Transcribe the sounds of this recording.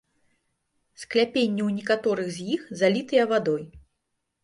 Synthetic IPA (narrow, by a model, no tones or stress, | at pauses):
sklʲapʲenʲːɛwnʲɛkat̪ɔɾɨɣzʲjixzalʲit̪ɨjɐvad̪ɔj